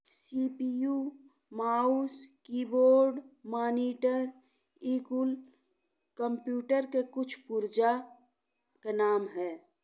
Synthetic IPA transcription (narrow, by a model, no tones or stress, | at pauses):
siːpijuː | maːuskiːboːɾɖmaːniːʈəɾ | iːkʊl | kəmpjuːʈəɾkekʊt͡ʃʰpuɾd͡ʒa | kenaːmɦɛː